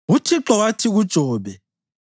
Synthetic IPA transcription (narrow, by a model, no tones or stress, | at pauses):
ɣutʰiǁɔɣatʰiɣud̥ʒ̥ʱɔːβɛ